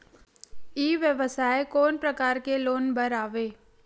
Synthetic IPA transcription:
iːʋjəʋəsaːekoːnpɾəkaːɾkeloːnbəɾaːʋeː

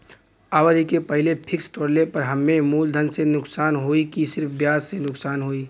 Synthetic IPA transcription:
aːʋəd̪ʱikepəɦɪlepʰɪkst̪oːɽlepɐɾɦɐmːemuːld̪ʱənsenʊksaːnɦoːikisɪɾpʰbjaːssenʊksaːnɦoːiː

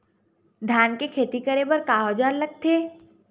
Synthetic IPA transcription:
d̪ʱjaːnkekʰeːt̪ikəɾebɐɾkaːɦod͡ʒaːllək̚t̪ʰeː

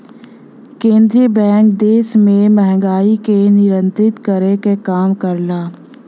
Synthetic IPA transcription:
kẽːnd̪ɾiəbɛ̃ːŋk̚d̪eːsmẽmɛɦŋɡaːikenɪɾə̃nt̪ɾɪt̪kəɾekekaːmkəɾlaː

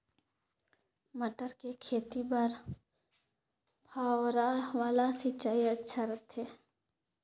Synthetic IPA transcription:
məʈəɾkekʰeːt̪ibəɾ | pʰaːwɾaʋaːlasit͡ʃaːiətːʃʰaɾət̪ʰeː

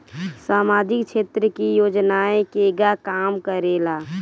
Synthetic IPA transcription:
saːmaːd͡ʒɪkt͡ʃʰeːt̪ɾəkijoːd͡ʒnaẽkeɡakaːmkəɾelaː

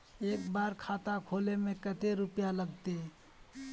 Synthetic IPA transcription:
eːkbaːɾkʰat̪akʰoːlemẽkət̪eɾupjaləɡt̪e

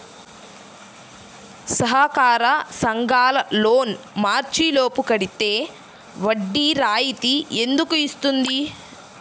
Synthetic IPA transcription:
sɐɦaːkaːɾɐsɐŋɡaːlɐloːn | maːɾt͡ʃilo̞ːpukɐɽit̪e̞ː | ʋɐɖːiɾaːjit̪ie̞nd̪ukuist̪und̪i

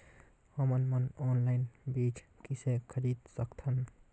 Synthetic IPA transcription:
həmənmənɔːnlaɪnbid͡ʒkisekʰəɾid̪səkt̪ʰən

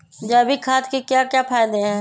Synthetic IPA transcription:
d͡ʒaːbʱikʰaːt̪kekjakjapʰaːjd̪eɦɛ̃ː

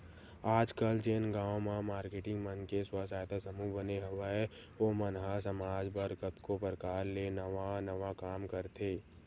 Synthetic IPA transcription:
aːd͡ʒkəld͡ʒenɡaːwmamaːɾkeʈɪ̃ŋɡmənkeswasaːjt̪asəmubəneɦəʋaɦɛ | oːmənɦasəmaːd͡ʒbəɾkət̪kopəɾkaːɾleːnəʋanəʋakaːmkəɾt̪ʰeː

